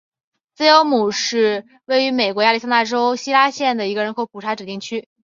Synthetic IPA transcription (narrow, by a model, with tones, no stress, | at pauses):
t͡sɹ̩˥jo˧˥ʊmu˨˩ʂɻ̩˥˧ | we˥˩ɪy˧˥me˨˩ɪkwɔ˧˥ja˥˧li˥˩sa˥na˥˩ʈ͡ʂo˥ʊɕi˥la˥ɕjɛ˥˩nd̪ə˩i˧˥ɡə˧ɻə˧˥nkʰo˧˥p̚ʰu˨˩ʈ͡ʂʰa˧˥ʈ͡ʂɻ̩˨˩t̪i˥˩ŋt͡ɕʰy˥